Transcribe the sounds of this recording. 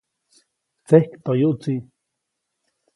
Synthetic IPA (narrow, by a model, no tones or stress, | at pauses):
t͡sehkt̪ojuʔt͡si